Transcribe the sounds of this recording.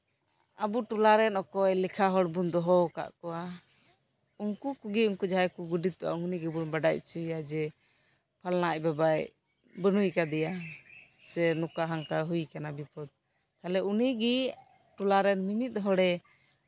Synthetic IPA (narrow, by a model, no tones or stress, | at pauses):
abuʈulaɾɛnɔkɔjlɛkʰaɦɔɽbund̪ɔɦɔka̰ʔkɔwa | uŋkukuɡiuŋkud͡ʒaɛkuɡuɖit̪ːɔʔa̰uŋuniɡɛbunbaɖac̚t͡ʃujad͡ʒɛ | pʰalnaʔbabaj | bənujkad̪ɛja | sɛnukaɦaŋkaɦujkanabipɔd̪̚ | kalɛuniɡi | ʈulaɾɛnmimit̪̚ˀɦɔɽɛ